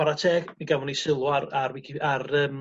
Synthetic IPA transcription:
aɾatʰeːɡmiɡavɔnisɪlˠwaɾarwikʰiarəːm

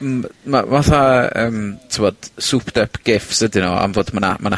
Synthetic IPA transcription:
mmamaθaəːmtʰɪvɔd̥supʰd̥ɛpʰɡ̥ɪfsvədɪnoa̰mvoːdmana̰mana

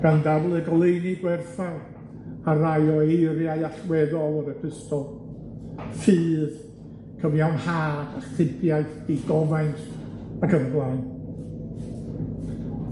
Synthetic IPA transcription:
ɡ̥andablˠɨɡɔlˠejniɡwɛrθaj | arajɔejɾjaɨaɬwɛðɔlˠəɾəpʰɪstɔ | fɨːð | kʰəvjawnhaːdaχθɪbjaɨθd̥iɡɔvajntʰakʰəmɡlˠaɨn

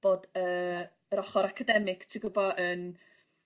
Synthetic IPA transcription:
b̥odəː | rɔχɔɾakʰadɛmɪɡ̥tʰiɡʊbɔʔən

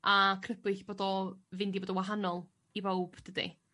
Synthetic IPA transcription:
akʰrəbɨɬb̥oːdɔvɪndiboːdɔwaɦanɔlˠ | ibowb̥d̥ədḭ

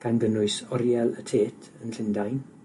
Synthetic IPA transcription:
kʰanɡənʊɨsɔɾjɛlˠətʰeːtʰənɬɪndajn

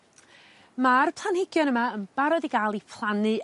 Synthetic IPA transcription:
marpʰlˠanhɪɡjɔnəmaənb̥aɾɔdiɡaːlˠipʰlˠanɨ

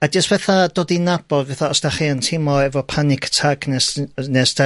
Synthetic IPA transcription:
ad͡ʒəstv̥ɛθadoːdinab̥ɔɡvɛθaɔsd̥aχiəntʰɪmɔɛvɔpʰanɪkʰtʰaɡnɛsnɛsda

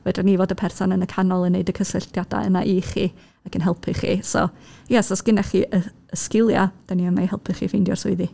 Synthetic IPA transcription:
vɛdanivoːdəpʰɛrsɔnənəkʰanɔlˠənːeɨdəkʰəsəɬtjada̰ə̰na̰ʔiχi | akʰənɦɛlˠpʰɨχḭsɔ̰ | jɛsɔsɡ̥ɪnɛχiʔə | əskɪlˠjad̥aniəmajhɛ̰lˠpʰɨχḭfɪndjɔ̰rsʊɨði

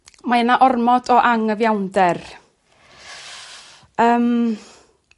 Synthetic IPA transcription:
maənaʔɔrmɔdɔʔaŋəvjawndɛr | əːm

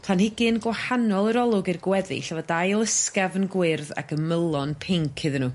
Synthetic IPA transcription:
pʰanhɪɡɨnɡwahanɔlˠəɾɔlˠʊɡɨrɡwɛðɨ̰ɬavɔdajlˠəskavənɡwɪrða̰ɡʰəməlˠɔnpʰeŋkʰɨðənuː

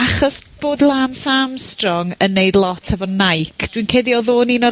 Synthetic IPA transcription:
aχɔsb̥oːdlˠaːnsamstrɔŋənːejdlˠɔtʰɛvɔnajkʰd̥winkʰeːdiɔðoːninɔ

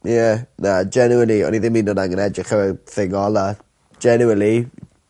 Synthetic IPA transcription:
jɛnad͡ʒɛnuənlˠiɔ̰niðɪminɔdaŋənɛd͡ʒɪχəvɛθɪŋɔlˠḁ | d͡ʒɛnuəlˠi

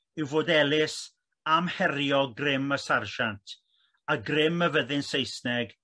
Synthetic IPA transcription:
ɪwvoːdɛlˠɪs | amhɛrjɔɡrɪməsarʃantʰ | aɡrɪməvəðɪnsejsnɛɡ

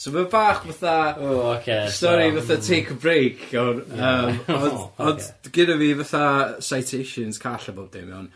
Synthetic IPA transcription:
soməbaːχvaθaookʰestɔɾivaθatʰejkʰbrejkʰawnəːmɔdɔdɡɪdaviːvaθasajtʰejʃɨnskʰaɬəboːb̚d̥ḛmɔn

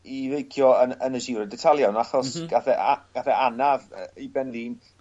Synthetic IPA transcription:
ivejkʰjɔənənəʃiɾədɛtʰalˠjawnaχɔsɡ̥aθɛʔaɡ̥aθɛanavə̰ibɛnðiːn

